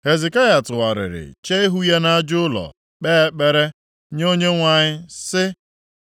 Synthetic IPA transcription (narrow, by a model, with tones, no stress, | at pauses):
he˨ze˨ka˦ja˨tʊ˨wa˨ɾɪ̰˨ɾɪ̰˨t͡ʃe˦e˦ɦu˦ja˦na˦a˦d͡ʒʊ˦ʊ˦lɔ̰˨ | k͡peː˦k͡pe˦ɾe˦ | ɲ˦o˦ɲe˦ŋʷa˨ɲɪ˦sɪ˦